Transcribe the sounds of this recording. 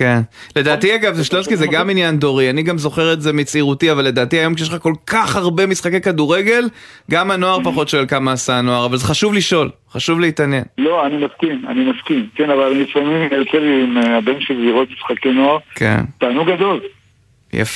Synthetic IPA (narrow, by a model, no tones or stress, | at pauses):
kenle̞daːt̪iaɡavzeʃlotkizeɡaminjando̞ʁianiɡamzo̞χeʁetzemit͡siʁutiavalːe̞daːtiajo̞mkʃielχako̞lkaχhaʁbe̞misχakejkaduʁe̞ɡe̞l | ɡamanoaʁpaχo̞tʃelkamaːsano̞aʁavalze̞χaʃuvliʃo̞l | χaʃuvleitanje̞̰nlo̞animaskima̰nimaskimkenavallifamimijot͡selimeabenʃezziʁot̪̚misχakeno̞aʁkʰḛnt̪aːnuɡɡad̪o̞l | ja̰f